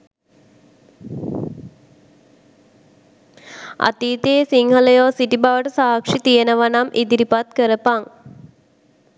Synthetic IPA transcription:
a̰t̪iːt̪eːsiŋhələjoːsiʈibaʋəʈəsaːkʂit̪ijənəʋanamʔid̪iɾipat̪kəɾəpaŋ

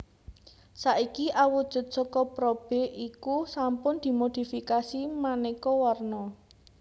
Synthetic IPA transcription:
saʔikiʔawud̥ʒ̥ʊ̤t̪̚sɔkɔpɾɔb̥e̤ʔikusampʊnd̪̥i̤mod̪̥i̤fikasimanekɔwɔrnɔ

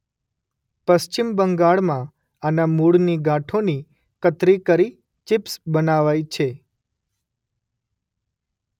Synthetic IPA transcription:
pəst͡ʃimbəŋɡaɭmã | anamuɽniɡãʈʰoni | kət̪ɾikəɾi | t͡ʃɪpsbənaʋajt͡ʃʰe

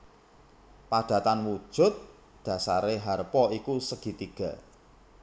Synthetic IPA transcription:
paɖ̥ä̤t̪anwud̥ʒ̥ʊ̤t̪̚ | ɖ̪̥ä̤sa̰ɾeɦarpɔikusəɡ̥i̤t̪iɡ̥a̤

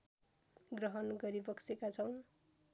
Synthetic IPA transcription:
ɡrʌɦʌnɡʌɾibʌksekat͡sʰʌw̃

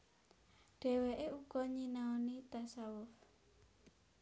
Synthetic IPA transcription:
ɖ̥e̤weʔeʔukɔɲinaonit̪asawʊf

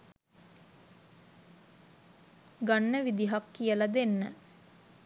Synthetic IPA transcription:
ɡanːəʋid̪iɦakːijəlad̪enːə

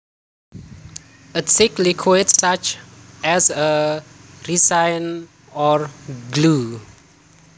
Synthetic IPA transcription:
ɪtsiklikʰwetsat͡ʃʔɛsə | risãjn | ɔɹɡlu

